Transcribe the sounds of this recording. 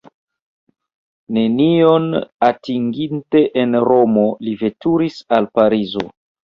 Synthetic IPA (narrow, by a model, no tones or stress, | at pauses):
ne̞nionatiŋɡinte̞ʔenɾo̞mo̞live̞tuɾisalpaɾizo̞̰